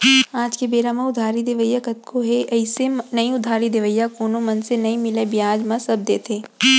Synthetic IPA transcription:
aːd͡ʒkebeːɾamãʊd̪ʱaːɾid̪eʋəjakɐt̪̚kʰoɦeɐɪsenɐĩʊd̪ʱaːɾid̪eʋəjːakoːnomɐnsenɐĩmɪlebɪjaːd͡ʒmɐ̃sɐb̚d̪eːt̪ʰeː

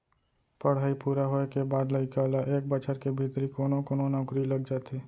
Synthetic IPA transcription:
pəɽ̤ɦaːipuːɾaɦoekebaːd̪ləɪkaːlaʔeːk̚bət͡ʃəɾkebʱit̪ɾikoːnõkoːnõnɔɡɾiləɡ̚d͡ʒaːt̪eː

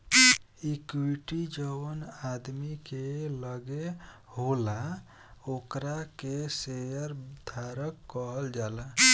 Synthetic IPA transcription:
ikwiʈid͡ʒəwnad̪mikeləɡe | hola | okɾakesejəɾd̪ʱaɾəkːɔɦəld͡ʒalə

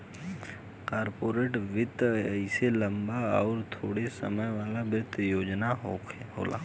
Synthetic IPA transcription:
kaːɾpoːɾeːʈʋɪt̪ɪselɐ̃mbaɔːɾt̪ʰoːɽesə̰məjʋaːlabɾɪt̪ʰːjoːd͡ʒnaɦoɦo̰ːla̰ː

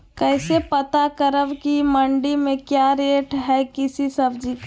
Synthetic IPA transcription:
kɛːsepət̪akəɾəʋkiməɳɖimẽkjaɾeːʈɦɛkɪsisəbd͡ʒik

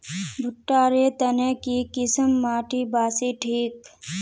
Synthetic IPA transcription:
bʱʊʈːaːɾeːt̪ɐneːkiːkɪsəmːaːʈʰiːbaːsiːʈʰiːk

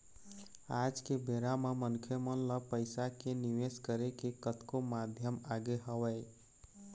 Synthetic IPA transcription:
ad͡ʒkebeɾamemənkʰemənləpəɪsakeniʋeskəɾekekət̪komad̪ʱjəmaɡeɦəwəɪ

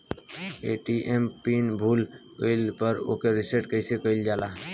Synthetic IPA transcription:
eːʈiːʔempiːnbʱuːlkəɪlpəɾo̰ːkeɾɪseʈkəsekəɪld͡ʒaːlaː

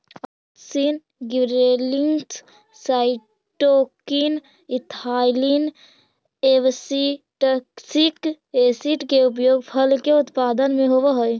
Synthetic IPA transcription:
əksin | ɡiɾeliŋɡs | saːɪ | ʈokin | ɪt̪ʰaːlin | eʋsi | ʈəksik | esiʈkeʊp̬joːɡpʰəlkeʊt̪paːd̪ənmẽɦoʋeɦoj

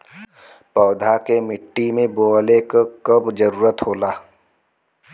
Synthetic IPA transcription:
pɔːd̪ʱakemɪʈːimẽboːlekakəbd͡ʒəɾuːɾət̪ɦoːlaː

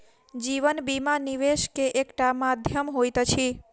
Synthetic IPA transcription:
d͡ʒiʋənbimaniʋeʃkeʔekʈamad̪ʱjəmɦojt̪ət͡ʃʰi

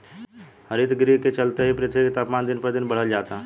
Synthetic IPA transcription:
həɾit̪ɡɾiɦket͡ʃəlt̪eɦipɾɪt̪ʰjekt̪apmaːnd̪ɪnpəɾd̪inbəɽ̤əld͡ʒaːt̪a

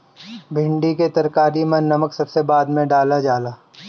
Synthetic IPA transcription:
bʱɪ̃ɳɖiket̪ɐɾkaːɾimɐ̃nnːɐməksɐbsebaːd̪mẽɖaːlad͡ʒaːlaː

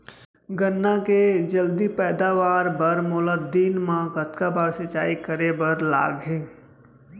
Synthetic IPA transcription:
ɡənːaked͡ʒəld̪ipɛːd̪aʋaːɾbəɾmʊːləd̪iːnmãɡət̪kabaːɾsɪt͡ʃaːikəɾebəɾla̰ːɡɦẽː

